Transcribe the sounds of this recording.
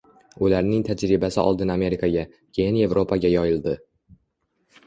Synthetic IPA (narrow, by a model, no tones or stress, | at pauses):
ʊlaɾnɪŋt̪ʰad͡ʒɾɪbasɪʔɒ̰lˠd̪ɪname̞ɾɪkʰaɡʲa | kʲʰe̞jɪnje̞vɾʔo̞pʰaɡʲajɒjɪlˠd̪ɪ